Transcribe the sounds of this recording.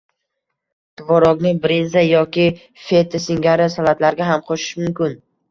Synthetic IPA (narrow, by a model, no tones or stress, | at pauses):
t̪ʊvɒɾɒɡnɪbɾenzajɒkʲɪ | fet̪ʰɪsɪŋɡʲaɾɪsalat̪laɾɡʲaɦamqʰoʃɪ̥ʃmʊmkʲɪn